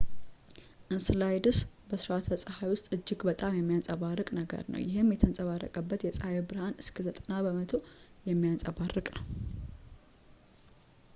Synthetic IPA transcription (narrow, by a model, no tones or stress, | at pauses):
ʔɨnsɨlajd̪ɨsbəsɾat̪ʰəsʼəhajwʊst̪ʼɨd͡ʒːɪɡbət̪ʼamjɛmːijant͡sʼəβarːəkʼnəɡə̰ɾnə̰wjɪɦemjɛt̪ʰənsʼəβarːə̰kʼəbːət̪jɛsʼəhajebɨɾhanɨskʰəzət̪ʼənabəmət̪ʰojɛmːijansʼəβarːɨkʼnəw